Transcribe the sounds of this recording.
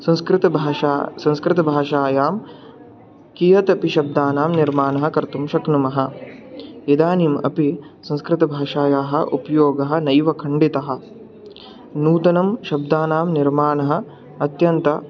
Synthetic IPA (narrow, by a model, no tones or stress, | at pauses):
sɐ̃nskɾɪt̪ɐbʱːsɐ̃nskɾɪt̪ɐbʱaːʃaːjaːm | kijɐt̪ɐpiʃɐb̚d̪aːnaːmniɾmaːnɐɦɐ̆kɐɾt̪umʃɐknumɐɦɐ̆ | id̪aːnimɐ̰pisɐ̃nskɾɪt̪ɐbʱaːʃaːjaːɦɐ̰̆ʔupɐjoːɡɐɦɐ̆nɐjʋɐkʰɐɳɖit̪ɐɦɐ̆ | nuːt̪ɐnɐmʃɐb̚d̪aːnaːmniɾmaːnɐɦɐ̆ | ɐt̪jɐnt̪ɐ